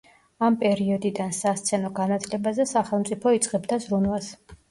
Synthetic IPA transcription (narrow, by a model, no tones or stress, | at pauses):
ampʼɛɾiɔd̪id̪ansast̪sʰɛnɔɡanat̪ʰlɛbazɛsaχɛlˠmt̪ʼipʰɔit̪sʼqʼɛbd̪azɾunwas